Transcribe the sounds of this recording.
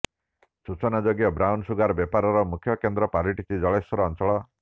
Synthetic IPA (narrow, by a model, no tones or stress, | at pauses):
sut͡ʃɔnad͡ʒoɡjɔbɾawnsuɡaɾbjɔpaɾɔɾɔmukʰːjɔkend̪ɾɔpaɾiʈit͡ʃʰid͡ʒɔɭesɔɾɔːnt͡ʃɔɭɔ